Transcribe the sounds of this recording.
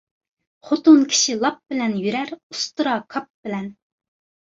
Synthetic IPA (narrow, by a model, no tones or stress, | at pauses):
χot̪ʊnkʲʰi̥ʃilˠɑp̚bɪlɛnjyɾæɾust̪ɨɾɑkʰɑp̚bɪlɛn